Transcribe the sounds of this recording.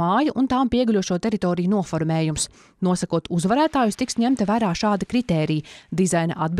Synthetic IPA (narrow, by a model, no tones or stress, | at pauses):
aːjɐʔunt̪aːmpiɛɡulʲuɔʃuɔt̪ɛɾit̪ɔːɾijunuɔfɔɾmɛːjums | nuɔsɐkuɔt̪uzvɐɾæːt̪aːjust̪iksɲæmt̪ɐvæːɾaːʃaːd̪ikɾit̪ɛːɾijd̪izajnɐ̰ʔad̪̚b